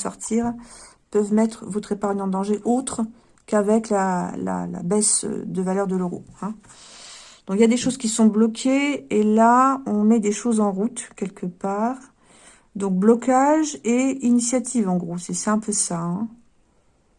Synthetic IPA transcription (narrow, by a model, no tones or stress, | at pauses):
sɔ̰ʁt̪ʰiʁ | pœvmɛt̪χəvɔt̪χepaʁɲɑ̃d̪ɑ̃ʒeʔot̪χ | kavɛklala̰la̰bɛsø̰d̪əvalœʁd̪əløʁo̰ɛ̃ | d̪̥ɔ̃kljad̪eʃozkʲisɔ̃blɔkʲʰeːlaɔ̃mɛd̪eʃozɑ̃ʁut̪kʲɛlkəpaːʁ | d̪ɔ̃k̚blɔkaʒeinisjat̪ʰivɑ̃ɡʁosɛsɛɛ̃pʰøsaɛ̃